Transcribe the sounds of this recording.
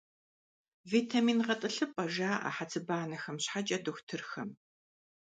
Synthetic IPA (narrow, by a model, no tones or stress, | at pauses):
veːtʰamiːnʁɐtʼɨɬɨpʼɐʒaːʔa̰ħat͡sʰɨbaːnɐxɐmɕħat͡ʃʼɐdoxʷtʰɨrxɐm